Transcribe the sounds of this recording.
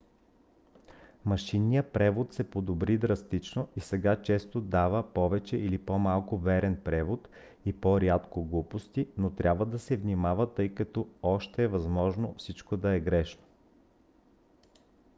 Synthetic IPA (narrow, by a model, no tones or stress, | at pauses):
mɐʃinːijəpɾɛvot̪sɛpod̪obɾid̪ɾɐst̪it͡ʃnoisɛɡat͡ʃɛst̪od̪avəpɔvɛt͡ʃɛʔilipomalˠkʊvɛɾɛnpɾɛvot̪ | ipoɾʲjat̪koɡlˠupost̪inot̪ɾʲʔabvəd̪ɐsɛvnimavət̪ɤjkɐt̪ɔɔʃt̪ɛːvɐzmɔʒnofsit͡ʃkod̪ɐɛɡɾɛʃno̥